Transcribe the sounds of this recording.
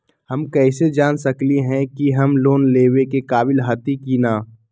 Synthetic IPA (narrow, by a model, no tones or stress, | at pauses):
hɐmkɛːsed͡ʒaːnsɐkliɦɛ̃kiɦɐmloːnleːwekekaːbɪlɦɐt̪ikinaː